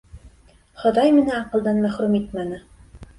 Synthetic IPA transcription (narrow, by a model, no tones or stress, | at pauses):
χɤ̆ðɑjmɘ̆næɑqɤ̆lˠd̪ɑnmæχɾʉmit̪mænɘ